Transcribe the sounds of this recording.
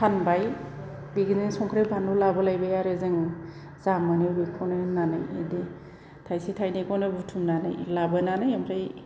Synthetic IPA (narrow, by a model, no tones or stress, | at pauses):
tʰanbaj | biɡinɯŋsɔŋkʰɾajbʰʱanulabalajbajaɾɯzɯŋ | z̥amɯnebikʰɔnɯnana̰jḛdi | tʰajsitʰajnekʰɔnɯbutʰumnana̰jlabɯnanajamɾaj